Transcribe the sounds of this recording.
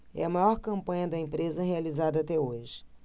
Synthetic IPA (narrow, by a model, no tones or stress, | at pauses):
ɛ̰ɐmajɔɾkɐ̃mpɐ̃ɲɐd̪ɐẽmpɾezɐɦealizad̪ɐaːt̪ɛoʒɪ̥